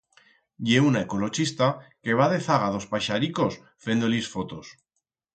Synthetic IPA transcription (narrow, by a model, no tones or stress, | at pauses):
ʝeunaeko̞lo̞t͡ʃist̪ake̞β̞aðe̞θaɣaðo̞spajʃaɾiko̞s | fe̞nd̪olisfo̞t̪o̞s